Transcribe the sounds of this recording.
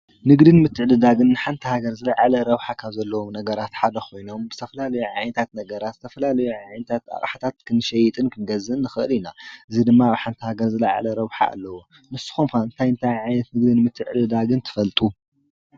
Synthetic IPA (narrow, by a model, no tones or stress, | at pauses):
nɨɡd̪ɨnmɨt̪ʰːɨʕd̪ɨd̪aɡɨnːɨħant̪ʰɐhaɡɐɾzɨlaʕalɐɾɐβħakʰaβzɐlːɐwomnɐɡɐɾat̪ħad̪ɐxʰo̞jno̞mbɨ̥t̪ʰɐfɐlalɐjuʕajnɐt̪ʰat̪nɐɡɐɾat̪zɨ̥t̪ʰɐfɐlalɐjuʕajnɐt̪ʰat̪a̰χʼħat̪ʰat̪kʰɨnɨʃɐjɪt̪ʼɨnkʰɨnɡɐzɨʔɨnːɨxɨʔɨlinaʔɨzid̪ɨmːaaβħant̪ʰɐhaɡɐɾzɨlaʕa̰lɐɾɐβħa̰a̰lːɐwo | nɨsɨ̥xumxaɨnt̪ʰajɨnt̪ʰajʕajnɐt̪nɨɡ̚d̪ɨnmɨt̪ʰːɨʕd̪ɨd̪aɡɨnt̪ʰɨ̥fɐlt̪ʼu